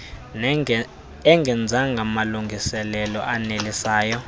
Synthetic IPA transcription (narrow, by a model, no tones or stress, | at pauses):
ɛŋɡʱɛnd͡zʱaŋɡʱamaluŋɡʱisɛlɛlɔʔanelisaːjɔ